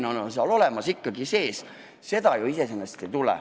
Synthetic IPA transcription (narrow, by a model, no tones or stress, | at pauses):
nononseɑlo̞lemɑsikːɑɡ̥ise̞ːs | se̞d̪ɑjuise̞senːɑst̪et̪ulɛ̰